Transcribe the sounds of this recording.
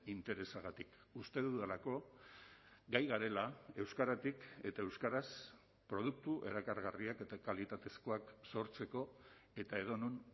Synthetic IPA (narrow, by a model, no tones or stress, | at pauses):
int̪e̞ɾe̞saɣat̪ikust̪e̞ðuðelako̞ | ɡajɣaɾe̞lae̞wskaɾat̪ike̞t̪aewskaɾas | pɾo̞ð̞uk̚t̪uʔe̞̰ɾakaɾɣariake̞t̪akalit̪at̪e̞sko̞akso̞ɾt͡se̞ko̞e̞t̪ae̞ð̞o̞nun